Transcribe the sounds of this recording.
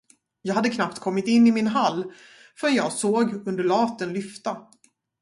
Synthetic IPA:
jɑːɡhad̪ːəkʰnapt̪kʰɔmːɪt̪ɪnːɪmɪnɦalː | fœɾɛnjɑːɡsoːɡɵnd̪əɭɑːt̪ənlʏft̪a

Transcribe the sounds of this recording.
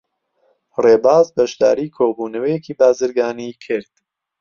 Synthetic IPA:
reːbaːzbɐʃd̪a̰ːɾiːkʰoːbuːnɐwɛjeciːbaːzɨɾɡaːnikʰɪɾd̪̥

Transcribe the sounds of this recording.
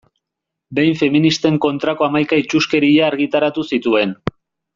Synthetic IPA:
be̞jɱfe̞minist̪e̞ŋko̞nt̪ɾako̞amajkait͡ʃuske̞ɾiʎaːɾɣit̪aɾat̪usit̪ue̞n

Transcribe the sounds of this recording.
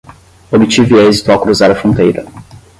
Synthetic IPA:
obit͡ʃiviɛzit̪ʊawkɾuzaɾɐfɾõnt̪ejɾɐ

